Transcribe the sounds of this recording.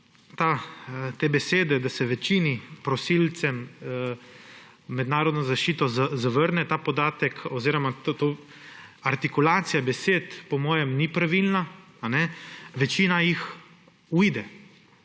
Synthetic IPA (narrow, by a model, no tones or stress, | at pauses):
t̪at̪eːbɛseːd̪ɛd̪asɛʋɛt͡ʃiːnipɾɔsiːlt̪sɛm | ɛd̪naːɾɔd̪nɔzaʃt͡ʃiːt̪ɔzazaʋəɾnɛt̪aːpɔd̪aːt̪ɛkʰɔziːɾɔmat̪t̪o | aɾt̪ikulaːt̪sijabɛseːt̪pɔmɔːjɛmnipɾaʋilnaː | nɛʋɛt͡ʃiːnajix | ujd̪ɛ